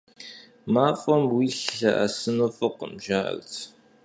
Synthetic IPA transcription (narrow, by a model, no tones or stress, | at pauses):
maːfʼɐmwiːɬɐʔɐ̰sɨnofɐqəmʒaːʔɐ̰rt͡sʰ